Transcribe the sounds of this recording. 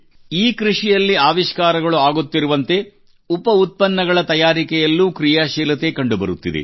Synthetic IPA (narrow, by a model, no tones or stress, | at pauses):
iːkɾiʂijɐlːiaːʋiʃkaːɾɐɡɐɭuaːɡut̪ːiɾuʋɐnt̪e̞ | upɐut̪̚pɐnːɐɡɐɭɐt̪ɐjaːɾikɛjɐlːuːkɾijaʃiːlɐt̪e̞kɐɳɖubɐ̰ɾut̪ːid̪ḛ